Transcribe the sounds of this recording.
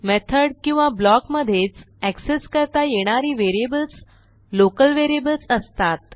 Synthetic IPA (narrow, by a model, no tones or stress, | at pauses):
mɛt̪ʰəɖkĩw̃ʋablɔkməd̪ʱːjet͡s | ækseskəɾt̪ajeɽ̃aɾiʋeɾijebəlt͡s | lokəlʋeɾiebəlt͡səst̪at̪